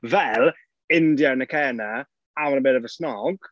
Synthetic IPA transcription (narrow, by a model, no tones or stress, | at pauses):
vɛlˠ | ɪndjanəkʰɛːna | amanəbɪːdəvəsnɔɡ̥